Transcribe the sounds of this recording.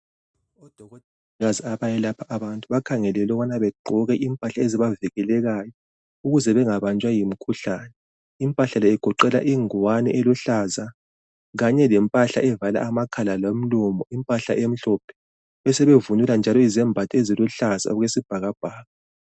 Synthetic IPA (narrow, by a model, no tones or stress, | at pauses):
ɔd̥ʱɔɣɔtʼɛ | ɣaziaβajɛlapʰaʔaβantʼuβakʰaŋɛlɛlɔβanaβɛɡ͡ǃʱɔɣɛʔimpʼaɬaeziβaviɣɛlɛɣajɔ | uɣuzɛβɛŋaβant͡ʃʼwajim̩kʰuɬanɛ | impʼaɬalɛːɡ̥ʱɔǃɛla̰ʔiŋwanɛ̰ʔeluɬaza | ɣaɲɛlɛmpʼaɬa̰ʔɛvala̰amakʰalalom̩lɔmɔimpʼaɬa̰ʔem̩ɬɔpʰɛ̥ | ɛsɛβevunuland͡ʒʱalɔizɛmbʱatʼieziluɬaza̰ɔɣwesib̥ʱaɣab̥ʱaːɣa